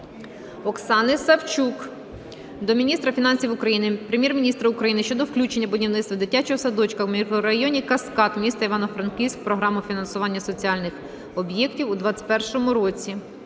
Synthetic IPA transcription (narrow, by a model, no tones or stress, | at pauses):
ɔksɑnɪsɐwt͡ʃuk | d̪ɔmʲinʲist̪ɾɐfʲinɑnʲsʲiwʊkɾɐjinɪpɾemʲjɛrmʲinʲist̪ɾɐʊkɾɐjinɪʃt͡ʃɔd̪ɔwklʲut͡ʃe̞nʲːɐbɔdʲiwnɪt̪t̪ʋɐd̪ɪtʲat͡ʃɔɦɔsɐd̪ɔt͡ʃkɐɾɐjɔnʲikɐskɑt̪mʲist̪ɐiʋɑnɔfɾɐnkʲiwsʲk̚pɾɔɦɾɑmʊfʲinɐnsʊʋɑnʲːɐsɔt͡sʲiɑlʲnɪx | ɔbjɛktʲiwʊd̪ʋɑt͡sʲt̪̚ʲpɛrʃɔmʊɾɔt͡sʲi